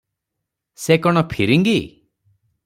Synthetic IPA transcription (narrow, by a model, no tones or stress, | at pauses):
sekɔɽ̃ɔpʰiɾiŋɡi